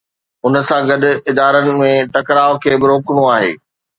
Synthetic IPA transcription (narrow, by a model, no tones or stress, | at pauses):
ʊnə̆sãɡɐd̪ʊ̆ɪd̪aːɾənɪ̆mẽʈɐkɾaːʋkʰeːbɪɾoːkɽ̃oaːɦḛː